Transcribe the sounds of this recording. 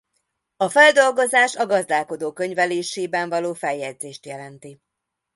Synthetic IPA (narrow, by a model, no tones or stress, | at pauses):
ɒfɛld̪o̞lɡo̞zaːʃɒɡɒzd̪aːlko̞d̪oːkø̞ɲvɛleːʃeːbɛɱvɒloːfɛjːɛd̪zeːʃt̪jɛlɛnt̪i